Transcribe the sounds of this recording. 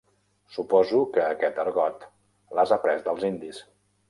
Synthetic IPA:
supɔzukəːkɛt̪əɾɣɔt̪ | lazapɾɛzd̪əlˠzind̪is

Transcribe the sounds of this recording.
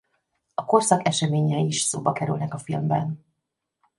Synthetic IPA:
ɒko̞rsɒkɛʃɛmeːɲɛiʃsoːbɒkɛɾy̰lnɛkɒfilmbɛn

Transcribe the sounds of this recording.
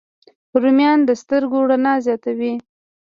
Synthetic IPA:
ɾumjɑnd̪əst̪əɾɡoɽanɑzjɑt̪awi

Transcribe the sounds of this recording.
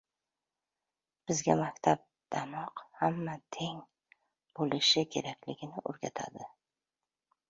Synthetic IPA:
b̥ɪzɡʲamakʲt̪ʰab̚d̪̥amɒqhamːat̪ʰeŋ | b̥olɪʃɪkʲʰe̞ɾakʲlɪɡʲɪnɪʔo̰ɾɡʲat̪ʰa̰d̪ɪ

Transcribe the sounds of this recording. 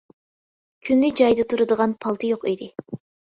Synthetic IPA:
kʲʰynlyd͡ʒɑjd̪ɨt̪ʰuɾɨd̪əʁɑnpʰɑlˠt̪ʰɨjoqed̪ɪ

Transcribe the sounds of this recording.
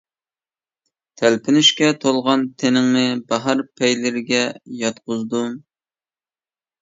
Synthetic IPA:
t̪ʰælpʰɪnyʃkʲɛt̪ʰolˠʁɑnt̪ʰenɪŋnɪbɑɦɑɾpʰɛjlɪɾɪɡʲɛjɑt̪qʊzd̪u

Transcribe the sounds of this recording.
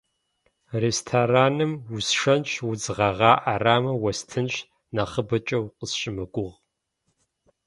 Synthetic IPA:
restʰaraːnɨmwʊsʂɐnʃwʊd͡zʁɐʁɑːʔaraːmɐwɐstʰɨnɕ | naχəbɐt͡ʃʼɐwqʼəsɕɪmɨɡʷʊʁ

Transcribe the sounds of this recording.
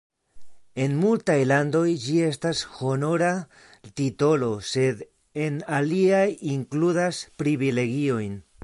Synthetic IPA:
e̞nmultajlando̞jd͡ʒie̞stasho̞no̞ɾa | tito̞lo̞se̞d̪ | e̞naliajiŋkludaspɾivile̞ɡio̞jn

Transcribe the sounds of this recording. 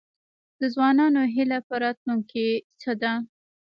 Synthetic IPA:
d̪əzwɑnɑnoɦɪlapəɾɑt̪luŋket͡səd̪a

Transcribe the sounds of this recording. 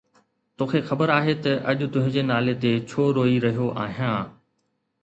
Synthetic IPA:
t̪oːkʰexɐbəɾaːɦet̪ɐʔɐʄʊ̆t̪ʊ̃ɦɪ̃d͡ʑeːnaːlet̪et͡ɕʰoːɾoːiɾɐɦijoʔaːɦijãː

